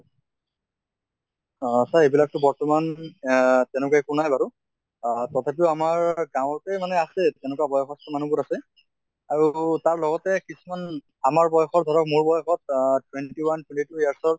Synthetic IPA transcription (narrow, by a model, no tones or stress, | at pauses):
saebilak̚tʊbɔɹtɔman | tɛnɛk̬ajkunajbaɹu | tɔtʰapiʊamaɹɡãw̃ɔtɛmanɛasɛtɛnɛkuabɔjɔxʰɔstɔmanubʊtasɛ | aɹutaɹlɔɡɔtɛkisuman | amaɹbɔjɔxɔɹdʱɔɹɔkmuɹbɔjɔxɔt̚twɛntiwantwɛntituijaɹsɔɹ